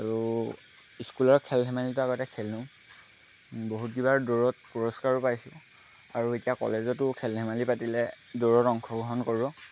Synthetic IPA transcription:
aɹu | iskulɔɹkʰɛlɦɛmalitʊaɡɔtɛkʰɛlnʊ̃ | boɦut̚ɡibaɹdoɹɔtpɔɹɔskaɹɔpajsʊ | aɹuetijakɔ̰lezɔtʊkʰɛlɦɛmalipatilɛ | doɹɔtɔŋkʰɔɡɔɦɔnkoɹibɔ

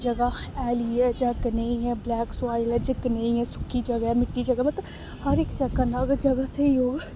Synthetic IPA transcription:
d͡ʒɐɡaɛːliɦɛːd͡ʒãːkɪneĩɦɛblɛːksaːilɛd͡ʒɪkːnəĩɦɛsʊ̥kʰːid͡ʒɐɡɦɛmɪʈːid͡ʒɐɡamẽt̪ | hɐɾekt͡ʃɐkːanaɐɡəɾd͡ʒɐɡaseiɦoː

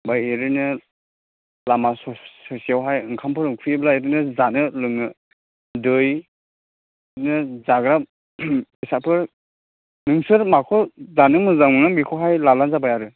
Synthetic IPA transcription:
bajeɾɯnɯ | lamasɔsɔsiawɦajɯŋkʰampʰɯɾɯkʰɯjblaeɾɯnɯzanɯlɯŋɯ | dɯj | nɯzaɡɾa | isapʰɯɾ | nɯŋsɯɾmakʰɔzanɯmɯzaɯŋamikʰɔɦajlalanzabajaɾɯ

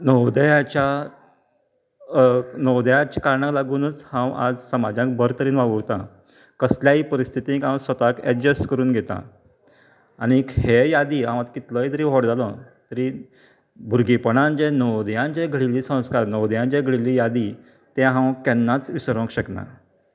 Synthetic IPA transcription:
nəwd̪əjat͡ɕa | nəwd̪əjat͡ɕakaɾɳaklaɡuːnət͡shãwa̰d͡zsəmad͡ʑãk̚bəɾt̪əɾiːnʋaʋəɾt̪ã̰ | kəsljaiːpəɾist̪ʰit̪ikãw̃sʋət̪akɛd͡ʑəsʈkəɾuːnɡʱet̪ã̰ | anikhejad̪iːãʋ̃at̪kit̪ləjt̪əɾiːɦɔɽd͡zalɔ̰̃t̪əɾi | bʱuɾɡipəɳand͡ʑenəwd̪jãnd͡ʑeɡʱɽiliːsə̃w̃skaɾnəwd̪jãnd͡ʑeɡʱɭiliːjad̪i | t̪ɛ̃ɦãwkɛnːat͡sʋisəɾʋə̃kɕəkna̰

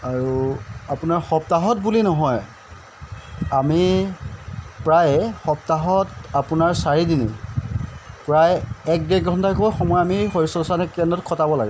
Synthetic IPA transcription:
aɹuapunaɹxɔp̚taɦɔtbulinɔɦɔj | ami | pɹajxɔp̚taɦɔtapunaɹsaɹidinḭ | pɹajɛk̚dɛk̚ɡʱɔntakojxɔmɔjamixoisɔsanɛkɛnɔtkʰɔtabɔla̰ɡɛ

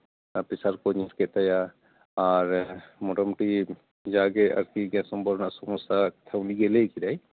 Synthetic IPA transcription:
pisaɾkɔɲɔɾkɛt̪aja | aɾmɔʈɔmʈi | d͡ʒaɡɛa̰ɾkiɡɛ̃sɔmbɔɾnasɔmɔsat̪ʰawniɡelekiɾaj

